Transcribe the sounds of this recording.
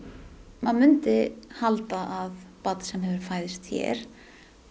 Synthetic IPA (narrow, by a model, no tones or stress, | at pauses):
manmʏnt̪ɪhalt̪aʔaðpat̪sɛmɦɛvʏɾ̥faːjðɪst̪çɛ̰ɾ̥